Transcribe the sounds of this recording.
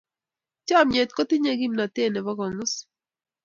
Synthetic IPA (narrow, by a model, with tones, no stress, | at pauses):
t͡ʃa˦˨me˨t̪̚kɔ˦t̪i˦ɲe˦ɡi˦mna˨t̪e˦˨nɛ˨βa˦ɡɔ˨ŋʊ˦s